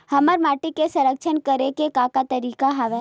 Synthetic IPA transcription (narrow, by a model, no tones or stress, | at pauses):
hɐməɾmaːʈikesɐ̃ɾəkʃʰənkəɾekekakat̪əɾiːkaɦaʋɛː